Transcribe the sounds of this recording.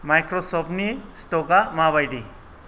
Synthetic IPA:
majkɾɔsɔpnisʈɔɡamaβajɖi

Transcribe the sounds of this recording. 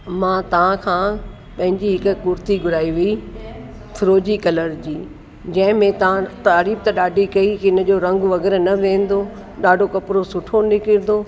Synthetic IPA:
mãːt̪ɐʋãkʰãː | pɐ̃ɦɪ̃ɲd͡ʑiɦɪkʊ̆kʊɾt̪iɡʊɾaːiʋii | fʰɪɾoːd͡ʑikɐləɾd͡ʑiː | d͡ʑɐ̃ɦɪ̃mẽt̪ɐʋãt̪aːɾiːb̚t̪ɐɗaːɖʱikɐikɪn̆d͡ʑoːɾɐ̃ŋɡʋɐɣɛːɾnɐʋẽːn̆d̪oː | ɗaːɖʱokɐpɾosʊʈʰonɪkɪɾd̪oː

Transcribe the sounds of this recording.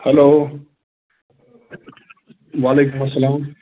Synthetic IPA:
hɐloː | waːleːkumɐsːɐlaːm

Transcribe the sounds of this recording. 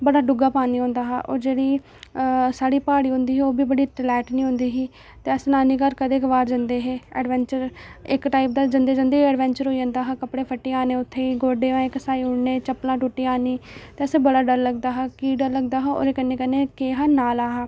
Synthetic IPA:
bəɽaːɖʊɡaːpaːniːɦõːnd̪aːɦaːʔo̰ːɾd͡ʒeːɽiː | saːɽiːpaːɽiːɦʊ̃nd̪iːɦɛːoːbiːbəɽiːʈlɛːʈnĩːɦʊ̃nd̪iːɦiː | t̪eːəsnaːniːkəɾkəd̪eːkʋaːɾd͡ʒənd̪eːɦeːɛ̰ːɖʋɛ̃ːɲt͡ʃəɾɪkʈaːip̚d̪aːd͡ʒənd̪eːd͡ʒə̃nd̪eːɛːɖʋɛ̃ːɲt͡ʃəɾɦoːid͡ʒãːnd̪aːɦaːkəpɽeːpʰəʈːeːaːnẽːʊt̪ʰːeːiːɡoːɖeːʋãːẽːkəsaːiːʊɽneːt͡ʃəplãːʈuʈːiːaːniːt̪eːəsẽbəɽaːɖəɾləɡ̚d̪aːɦaːkiːɖəɾləɡd̪aːɦãːo̰ːɾeːkənːeːkəneːkeːɦaːnaːlaːɦaː

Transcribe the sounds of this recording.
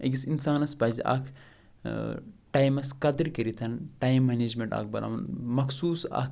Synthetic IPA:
eɡʲisinsaːnɐspɐːziʔɐ̰kʰ | ʈaːjmɐskɐd̪ɨɾkɐɾit̪ʰɐnʈaːjimːɐneːd͡ʒmeɳʈa̰ːk̚ʰbɐlʔa̰mɐnmɐkʰsuːsɐ̰kʰ

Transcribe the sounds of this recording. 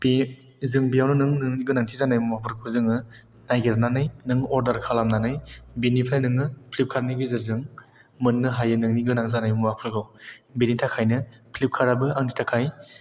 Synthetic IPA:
b̥i | zɯŋbijawnɯnɯŋnɯŋniɡɯnaŋtʰizanajmmapʰɯɾkʰuzɯŋɯ | najɡeɾnanɯjnɯŋɔɾdaɾkʰalamnanɯjbinipʰajnɯŋɯpʰlip̚kʰaɾniɡizɯɾzɯŋ | mɯnːɯɦajɯnɯŋniɡɯnaŋzanajmɔapʰɯɾɡawbinitʰakʰajnɯpʰlip̚kʰaɾabɯaŋtʰitʰakʰaj

